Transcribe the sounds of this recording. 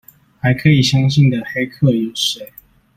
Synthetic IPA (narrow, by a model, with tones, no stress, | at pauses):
xa˧˥ɪkʰɤ˧˥i˨˩ɕjɑ˥ŋɕi˥˩nd̪ə˩xe˥ɪkʰɤ˥˩ɛ˧˥ʂe˨˩ɪ˦